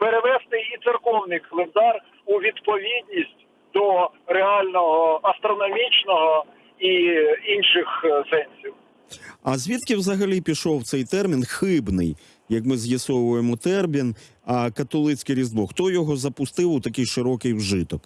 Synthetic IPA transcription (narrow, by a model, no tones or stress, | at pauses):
peɾeʋɛzt̪ɪjit̪serkɔwnɪjkɐlˠend̪ɑr | uʋʲid̪pɔʋʲid̪ʲnʲisʲtʲ | d̪̥ɔɾeɑlʲnɔɦɔɐst̪ɾɔnɔmʲit͡ʃnɔɦɔ | iinʃɪxsɛnʲsʲiw | ɐzʲʋʲit̪kʲiwzɐɦɐlʲipʲiʃɔwt̪sɛjt̪ɛrmʲinxɪbnɪ̰j | jɐkmɪzjɐsɔʋʊjemɔt̪ɛrmʲin | ɐkɐt̪ɔlˠɪt͡sʲkɪɾʲizd̪bɔxt̪ɔjɔɦɔzɐpʊst̪ɪwʊt̪ɐkɪjʃɪɾɔkɪjwʒɪt̪ɔk